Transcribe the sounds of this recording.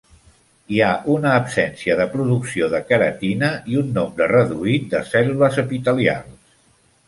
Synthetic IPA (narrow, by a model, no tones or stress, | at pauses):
iaʔunəːpsɛnsiəðəpɾuðuksioðəkəɾə̰t̪inəiunːombɾərəðuit̪̚d̪əsɛluləzəpit̪əlia̰lˠs